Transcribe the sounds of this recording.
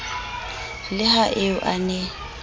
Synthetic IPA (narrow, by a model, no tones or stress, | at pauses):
lɪɦaʔeʊʔanɛ